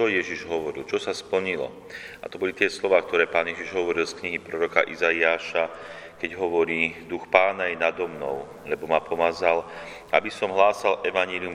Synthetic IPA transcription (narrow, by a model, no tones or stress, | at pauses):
ɔjɛʒiʒɦɔʋɔɾḭlt͡ʃɔsaspl̩ɲilɔ̰ | a̰t̪ɔbɔlit̪ɪɛslɔʋaːk̚t̪ɔɾɛːpaːnjɛʒiʒɦɔʋɔɾilskɲiɦipɾɔɾɔka̰ʔizaiaːʃa | kɛɟɦɔʋɔɾiːd̪uxpaːnajɛnad̪ɔmnɔ̰ʊ | lɛbɔmapɔmazal | abisɔmɦlaːsalʔɛʋaɲɪɛlium